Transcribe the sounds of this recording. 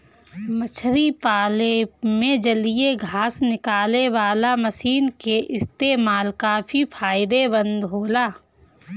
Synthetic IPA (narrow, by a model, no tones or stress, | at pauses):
mət͡ʃʰɾipaːlemẽd͡ʒɐlieɡʱaːsnɪkaːleʋaːlamɐsiːnkeʔɪst̪eːmaːlkaːbʰipʰaːɪd̪ebə̃nd̪ɦoːlaː